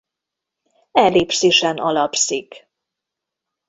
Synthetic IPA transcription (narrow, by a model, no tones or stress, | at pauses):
ɛleːpsiːʃɛnɒlɒpsik